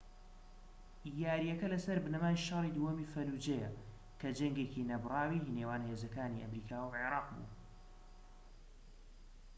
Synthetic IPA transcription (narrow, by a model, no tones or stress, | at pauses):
jaːɾijɐkɐlɐsɐɾbɨnɐmaːjʃɐrid̪uhɐmifɐlud͡ʒejɐ | kʰɐd͡ʒɐŋɡeːcinɐbrˤɑːwinewaːnhezɐkaːniʔɐ̰mɾiːkʰaːwʕeɾˤɑːqbṵː